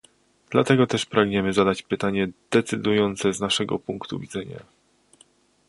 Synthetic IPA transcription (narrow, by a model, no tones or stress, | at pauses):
d̪̥lat̪ɛɡɔt̪ɛʂpɾaɡɲɛmɘzad̪at͡ɕpɘt̪aɲɛd̪̥ɛt̪sɘd̪ujɔnt̪sɛznaʂɛɡɔ̰puŋkt̪ṵvʲid̪zɛɲa̰